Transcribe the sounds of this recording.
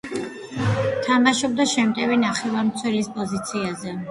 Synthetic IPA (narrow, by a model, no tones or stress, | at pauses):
t̪ʰamaʃɔb̚d̪aʃɛmt̪ʼɛvinaχɛvaɾmt̪sʰwɛlispʼɔzit̪sʰiazɛ